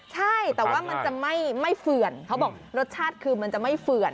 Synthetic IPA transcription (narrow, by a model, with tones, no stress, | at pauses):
t͡ɕʰa˥˩jt̪ɛː˨˩waː˥˩ma˧nt͡ɕa˨˩ma˥˩jma˥˩jfɯ˨˩ənkʰa˦˥wbɔː˨˩kɾo˦˥t̪̚t͡ɕʰaː˥˩t̪̚kʰɯː˧ma˧nt͡ɕa˨˩ma˥˩jfɯ˨˩ən